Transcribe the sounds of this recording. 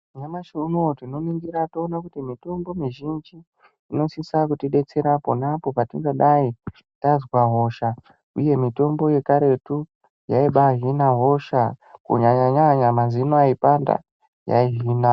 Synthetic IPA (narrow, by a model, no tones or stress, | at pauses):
ɲamaʃuunotino̞niŋɡiɾatoːnakutimito̞mbo̞miʒind͡ʒiː | no̞sisakutiɗe̞t͡se̞ɾaponapo̞patiŋɡaɗai | tazwaɦo̞ʃa | ṵje̞mito̞mbo̞je̞kaɾe̞tu | jaiɓaɦinaɦo̞ʃakṵɲaɲaɲaɲamazinoaipanda̰ | ja̰iɦiːna